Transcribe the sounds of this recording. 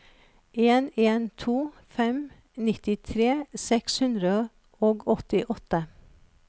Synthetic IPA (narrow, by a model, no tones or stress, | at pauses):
ʔeːneːnt̪ʰuː | fɛm | nɪt̪ɪt̪ʰɾeːsɛkshʉnd̪ɾə | oːɡɔt̪ɪʔɔt̪ə